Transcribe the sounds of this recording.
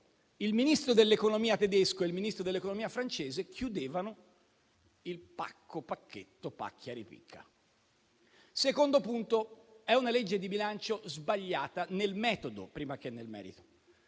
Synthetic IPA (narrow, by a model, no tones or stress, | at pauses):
ilminist̪ɾod̪elːekonomiːat̪ed̪eskoeilminist̪ɾod̪elːekonomiːafɾant͡ʃeːzekʰjud̪eːvano | ilpa̰kʰːopakʰːet̪ːopa̰kʰːjaɾipḭkʰːa̰ | sekond̪opunt̪oɛunaled͡ʒːed̪ibilant͡ʃozbaʎːaːt̪anelmɛːt̪od̪o̰pɾiːmak̟enːelmɛ̰ːɾḭt̪o̥